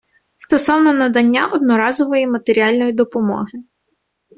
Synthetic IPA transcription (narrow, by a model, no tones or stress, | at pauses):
st̪ɔsɔwnɔnɐd̪ɐnʲːaʔɔd̪nɔɾɑzɔʋɔjimɐt̪eɾʲiɑlʲnɔjid̪ɔpɔmɔ̰ɦɪ